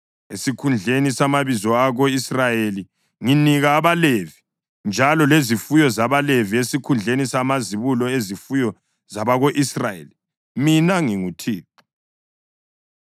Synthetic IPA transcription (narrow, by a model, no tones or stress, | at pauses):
esikʰund͡ɮʱenisamaβizɔaɣoisrajeli | ŋiniɣaːβalevi | nd͡ʒʱalɔlezifujɔzaβaleviesikʰund͡ɮʱenisamaziβulɔezifujɔ | zaβaɣoʔisrajḛli | minaŋiŋutʰiːǁu̥